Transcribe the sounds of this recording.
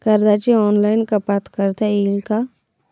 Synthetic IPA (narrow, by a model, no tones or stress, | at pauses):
kɐɾd̪at͡ʃiɔːnlaːɪnkapat̪ʰkəɾt̪ɛiːlka